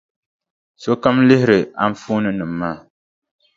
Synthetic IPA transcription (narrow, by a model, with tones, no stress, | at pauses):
so˦ka˦mlɪ˦hɪ˦ɾɨ˨a˦ɱ̩˦fuː˦nɨ˦nɨ˨m̩ː˨aː˦˨